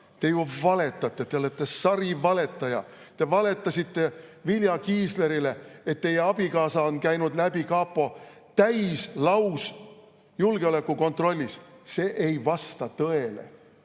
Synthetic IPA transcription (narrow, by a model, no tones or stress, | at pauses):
t̪e̞juvɑle̞t̪ːˑɑt̪ˑːe̞t̪e̞o̞let̪ˑːe̞sɑɾivɑle̞t̪ˑːɑjɑ̰ | t̪e̞vɑle̞t̪ːˑɑsʲit̪ːe̞viljɑkiːsle̞ɾile̞et̪ːe̞jeɑb̥ikɑːsɑonkæjnud̪̥læbikɑːpːˑo̞ | t̪æjslɑws | julɡ̥e̞o̞le̞kːuko̞nt̪ro̞lʲːist̪se̞ːʔejvɑst̪ɑt̪ɤe̞lḛ